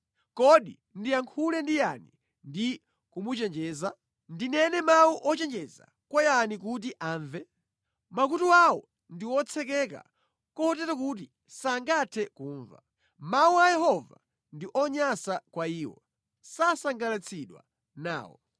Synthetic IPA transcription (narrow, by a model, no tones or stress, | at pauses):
kɔɗi | ndiaŋkʰulɛndijani | ndi | kumut͡ʃɛnd͡ʒɛːza | ndinɛnɛmawuʔɔt͡ʃɛnd͡ʒɛza̰ | kwɔjanik̬ut̬iʔaːɱvɛ | makutuawɔ̰ | ndiwɔt͡sʰɛkɛka̰ | kɔtɛtakut̬i | saŋɡatʰɛkuːɱva̰ | mawuajɛɦɔva̰ | ndiʔɔɲasakwaiːwɔ̰ | sasaŋɡalat͡sʰiɗwa̰ | na̰ːwɔ̰